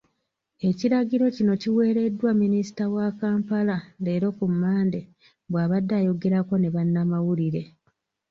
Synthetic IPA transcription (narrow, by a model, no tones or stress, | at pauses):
e̞ciɾaɡiɾo̞cino̞ciwe̞ːɾe̞dːwamːinisi̥tawakaːmpalale̞ːɾo̞kumːaːnde̞ | βwaːβadːaːjo̞ɡe̞ɾako̞ne̞βanːamawuliɾe̞